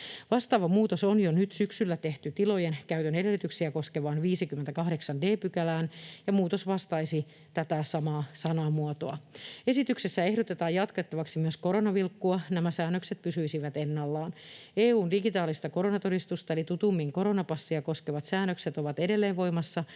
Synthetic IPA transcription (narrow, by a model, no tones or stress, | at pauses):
ʋɑst̪ɑːʋɑmuːt̪osonjonyt̪syksylːæt̪eht̪yt̪ilo̞jenkæyt̪ønedelːˑyt̪yksiæko̞skeʋɑːnʋiːsikyment̪ækɑɦdeksɑndeːpykælæːnjɑmuːt̪osʋɑst̪ɑisi | t̪æt̪æsɑmɑːsɑnɑːmuɑt̪oɑe̞sit̪yksesːæe̞hdot̪et̪ɑːjjɑt̪kɑt̪ːɑʋɑksimyøsko̞ɾo̞nɑʋilkːuɑnæmæsæːnːøkset̪̚pysyisiʋæt̪enːɑlːɑːneːuːndiɡit̪ɑːlist̪ɑko̞ɾo̞nɑt̪o̞dist̪ust̪ɑelit̪ut̪umːiːŋko̞ɾo̞nɑpɑsːiɑko̞skeʋɑt̪sæːnːøkset̪oʋɑt̪ede̞lːeːʋʋo̞imɑsːɑ